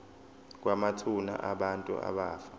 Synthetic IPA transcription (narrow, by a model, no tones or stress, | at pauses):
k̬ʼwamatʰuna̰ʔaɓantʼṵa̰ɓaːfḁ